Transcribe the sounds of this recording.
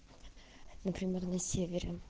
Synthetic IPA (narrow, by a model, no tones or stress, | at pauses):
nəpɾʲɪmʲernɐsʲevʲɪɾʲɪ